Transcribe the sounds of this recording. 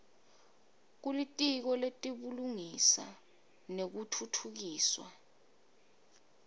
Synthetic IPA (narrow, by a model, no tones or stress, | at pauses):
k̬ulitʼik̬ɔletʼiɓuluŋisa̰ | nek̬utʰutʰuk̬iːswa̰